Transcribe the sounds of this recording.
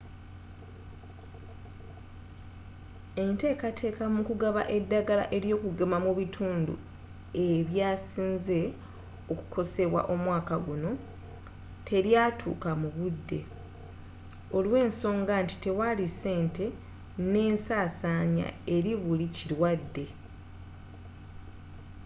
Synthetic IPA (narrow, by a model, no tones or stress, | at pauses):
e̞nte̞ːkatʰe̞ːkamukuɡaβa̰ʔe̞dːaɡala̰ʔe̞ɾjo̞ːkuɡemamuβitʰuːndṵ | eβjaːsiːnze̞ | o̞ku̥kʰo̞se̞βwa̰ʔo̞mwaːkaɡuno̞ | tʰe̞ljaːtʰṵːkamuβudːe̞̰ | o̞lwe̞ːnso̞ːŋɡanti̥te̞walise̞ːnte̞ | ne̞ːnsaːsaːɲa̰e̞ɾiβuliciɾwadːe̞